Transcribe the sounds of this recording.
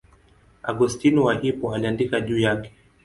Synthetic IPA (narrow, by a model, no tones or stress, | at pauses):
aɡustiniwaʔipɔaliandikaʄuːjakɛ̥